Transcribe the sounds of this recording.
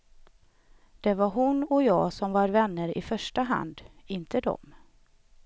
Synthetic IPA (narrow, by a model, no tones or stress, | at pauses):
d̪̥ɛvaɾɦʊnɔjɑːsɔmvaɾvɛnːəɾɪ̰fœʂʈaɦa̰nd̪ɪnt̪ʰəd̪ɔ̰m